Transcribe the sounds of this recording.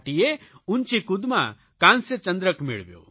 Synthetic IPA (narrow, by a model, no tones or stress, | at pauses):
ʈijeunt͡ʃikud̪ma̰ | kanset͡ʃənd̪ɾəkmḭɭbjo̰